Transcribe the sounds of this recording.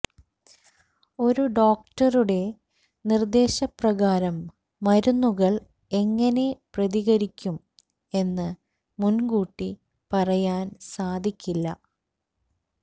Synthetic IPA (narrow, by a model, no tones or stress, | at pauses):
o̞ɾuɖo̞ːk̚ʈɐruɽe̞ | nird̪e̞ːɕɐprɐɣaːɾɐmː | ɐɾunːuɣɐɭ | e̞ŋːɐne̞prɐðiɣɐɾikʲːum | e̞nːɨ | munɡuːʈːi | pɐrɐjaːnsaːd̪ʱikʲːilːɐ̰